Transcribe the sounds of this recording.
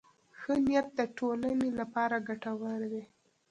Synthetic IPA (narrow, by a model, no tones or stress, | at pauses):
xənijat̪̚d̪əʈolanelapɑɾaɡaʈawəɾwe